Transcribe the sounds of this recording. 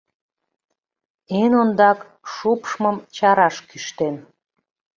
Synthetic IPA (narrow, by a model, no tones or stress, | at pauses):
enond̪ɑk | ʃupʃməmt͡ɕɑɾɑʃkyʃt̪en